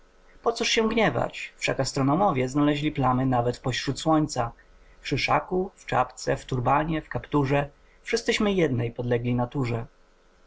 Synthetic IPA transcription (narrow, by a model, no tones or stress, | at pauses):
pɔt̪suʂɕɛ̃ɡɲɛva̰t͡ɕfʂakast̪ɾɔnɔmɔvʲjɛznalɛʑlʲiplanɘnavɛt̪fpɔɕɾut̪swɔɲt̪sa | fʂɘʂakuft͡ʂa̰pt̪sɛft̪uɾbaɲɛfkapt̪uʐɛ | fʂɘst̪sɘɕmɘjɛd̪nɛjpɔd̪lɛɡlʲinat̪uʐɛ